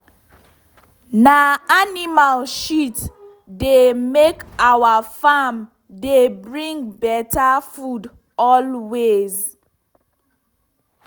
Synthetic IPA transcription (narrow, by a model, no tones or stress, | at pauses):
naanimalʃit | demekawafam | debɹĩŋbɛtafud | ɔlwez